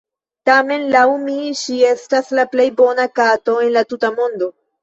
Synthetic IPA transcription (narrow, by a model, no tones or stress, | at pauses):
tame̞nlawmiʃie̞staslaple̞jbo̞nakato̞e̞nlatutamo̞ndo̞